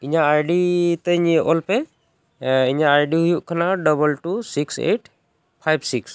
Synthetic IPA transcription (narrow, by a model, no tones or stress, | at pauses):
iɲaaɹɖit̪əɲʔɔlpɛ | iɲaːjɖiɦujuʔkʰanaɖɔbɔlʈusiksḛʈ | pʰajbsiks